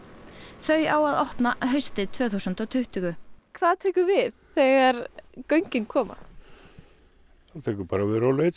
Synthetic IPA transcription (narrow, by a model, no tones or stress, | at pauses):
θœɥjawaðɔhpnaɦœɥst̪ɪt̪ʰvœːθusʏnt̪ɔwt̪ʰʏht̪ʏɣʏkʰvaːðt̪ʰɛːkʏvɪðθɛɣaɾkœɥɲcɪnkʰɔːma̰ | at̪ʰɛːkʏpaːɾavɪðɾawlet̪